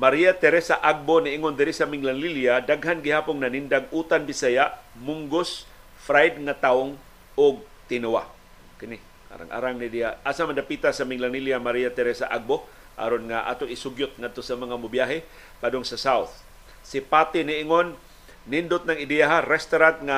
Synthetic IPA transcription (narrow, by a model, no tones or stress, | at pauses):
maɾijat̪ɛɾɛsaʔaɡ̚bonɪʔɪŋond̪ɪɾɪsɐmɪŋlaŋliljad̪aɡɦanɡɪhaːpʊŋnɐnɪnd̪aɡ̚ut̪anbɪsajamʊŋɡos | fɾajd̪̚ŋat̪aoŋ | oɡ̚ | t̪ɪnʊwa̰ | kɪnɪ | a̰ːɾa̰ŋʔa̰ːɾaŋnɪd̪ijaʔaːsamand̪apit̪asamɪŋlaŋliljamaɾiat̪ɛɾɛsa̰ʔaɡ̚bo | ʔa̰ɾonŋaʔa̰ːt̪oŋɪsʊɡjʊt̪̚ŋad̪̚t̪osamɐŋamʊbjaɦɛ | pad̪oŋsɐsawθ | sɪpaːt̪ɪnɪʔɪŋonː | ɪnd̪ʊt̪̚nɐŋɪd̪ɛaɦaɾɛst̪oɾant̪̚ŋa